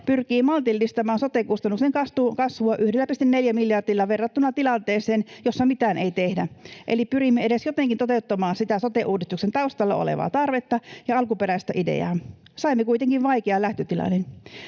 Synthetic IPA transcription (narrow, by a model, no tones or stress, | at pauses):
pyrkiːmɑlt̪ilːist̪ɑmɑːnsot̪ekust̪ɑnːukseŋkɑst̪ukɑsʋuɑʔyhdelːæpist̪inneljæmiljɑrd̥ilːɑʋerːɑt̪ːunɑt̪ilɑnt̪eːseːnjosːɑmit̪æːneit̪ehdæʔḛlipyrimːeeɾesjot̪eŋkint̪ot̪eut̪ːɑmɑːnsit̪æsot̪eʔuːdist̪uksent̪ɑust̪ɑlːɑo̰lḛʋɑ̰ːt̪ɑrʋet̪ːɑjɑɑlkupeɾæist̪æʔidḛɑ̰ː | sɑimːekuit̪eŋkiʋʋɑjkeɑlæht̪øt̪ilɑ̰nːen